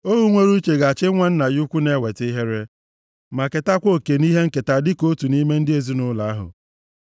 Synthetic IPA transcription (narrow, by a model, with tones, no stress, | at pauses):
o˦ɦu˦ŋʷe˦ɾu˦i˦t͡ʃe˨ɡa˨t͡ʃɪ˦ŋʷa˦n̩˦na˨jʊ˦kʷu˦ne˦we˨ti˦ɦe˦ɾe˦ | ma˨ke˨ta˦kʷo˦ke˨ni˦ɦe˦ŋ̩˦ke˨ta˨dɪ˦ko˦tu˨ni˦me˦n̩˦dɪ˦e˨zi˦nʊ˦la˨a˦ɦʊ̰˨